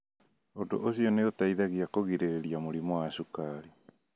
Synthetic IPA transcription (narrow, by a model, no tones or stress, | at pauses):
odo̰ʔoziɔneotaiðaɣiakoɣiɾeɾiamoɾimɔaʃukaɾe